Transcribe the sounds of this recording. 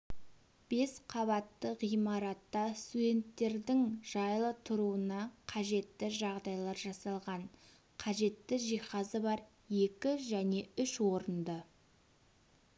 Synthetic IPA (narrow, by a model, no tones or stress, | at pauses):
b̥e̞sqʰɑβɑt̪ːəʁijmɑɾɑt̪ːɑst̪ud̪e̞nt̪ːe̞ɾd̪ɪŋʒ̥ɑjlˠət̪ʰʊɾuənɑqʰɑʒe̞t̪ːɪʒɑʁd̪ɑjlˠɑɾʒɑsɑlˠʁɑn | qʰɑʒe̞t̪ːɪʒijχɑzəbɑɾ | je̞kʲɪʒæne̞ʏʃwo̞ɾənd̪ə